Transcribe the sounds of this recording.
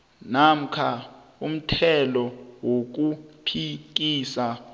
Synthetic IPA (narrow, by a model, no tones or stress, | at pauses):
nam̩kʰa | um̩tʰɛlɔwok̬upʰik̬iːsa